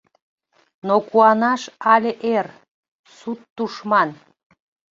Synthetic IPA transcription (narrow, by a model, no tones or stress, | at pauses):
nokuɑnɑʃɑlʲeʔer | sut̪ːuʃmɑn